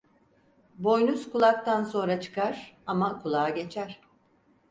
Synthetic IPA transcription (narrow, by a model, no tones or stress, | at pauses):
bo̞jnuskulˠak̚t̪anso̞nɾat͡ʃʰɯ̥kaɾ̥amakʰulˠaːaɟe̞t͡ʃʰæɾ̥